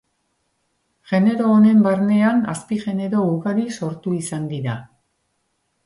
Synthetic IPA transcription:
ʝe̞ne̞ɾo̞ːne̞mbaɾne̞ana̰spiʝe̞ne̞ɾo̞uɣaɾiso̞ɾt̪uisand̪iɾa

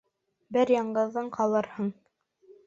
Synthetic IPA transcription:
bɘɾjɑɴɢɤ̆ðːɤɴqɑlˠɤɾhɤɴ

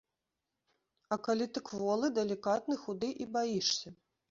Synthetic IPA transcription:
ɐkalʲit̪ɨkvɔlˠɨd̪ɛlʲikat̪̚nɨxud̪ɨʔibajiʂsʲɐ

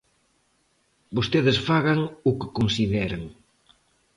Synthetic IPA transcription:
bost̪eðɪsfaɣaŋʊkɪ̥konsiðɛɾaŋ

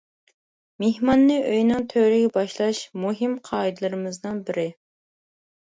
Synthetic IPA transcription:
mehmɑnːɨʔøjnɪŋt̪ʰøɾɪɡʲɛbɑʃlˠɑʃmuɦimqʰɑːid̪lˠɨɾɨmɨznɨnbɪɾɪ

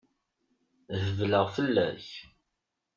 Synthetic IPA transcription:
ðəvləʁfəlːæç

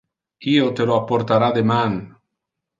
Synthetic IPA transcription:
iot̪eloapoɾt̪aɾaðeman

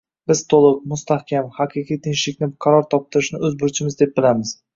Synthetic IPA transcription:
b̥ɪz̥t̪ʰolˠɪq̚mʊst̪ʰahkʲamhaqʰɨqʰijt̪ʰɪnʃlɪkʲnɪqʰɑɾɒɾt̪ʰɒp̚t̪ɪɾɪʃnɪɵzbʊɾt͡ʃʰɪmɪzd̪e̞p̚bɪlamɪz̥

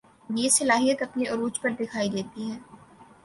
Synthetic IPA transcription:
jeːsɐlaːɦijət̪ɐpniʔʊɾuːt͡ʃpɐɾd̪ɪkʰaːid̪eːt̪iɦɛː

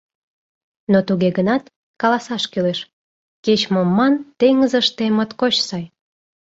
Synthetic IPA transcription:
not̪uɣeɣənɑt̪ | kɑlɑsɑʃkyleʃ | ket͡ɕmomːɑnt̪eŋəzəʃt̪emət̪kot͡ɕsɑj

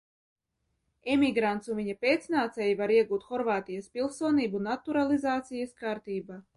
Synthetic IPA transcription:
ɛmʲiɡɾant̪suviɲapʲeːt̪snaːt̪sɛjivaɾiɛɡuːt̪xɔɾvaːt̪ijaspʲilˠsuɔniːbunat̪uɾalˠizaːt̪sijaskaːɾt̪iːba

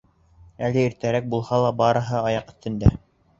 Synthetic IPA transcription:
ælɘiɾt̪æɾæk̚bulˠhɑlˠɑbɑɾɤ̆ɦɤɑjɑqɵ̆θt̪ɘ̆nd̪æ̰

